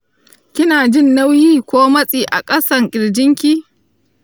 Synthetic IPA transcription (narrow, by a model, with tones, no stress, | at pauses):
kʲɪ˦naː˨d͡ʒɪ˦˨nːa˦wjiː˦kʷoː˦mɐ˦sʼiː˨ʔa̰˨kʼɐ˦sɐ˨ŋkʲʼɪ˨ɽd͡ʒɪ˦ŋkʲiː˦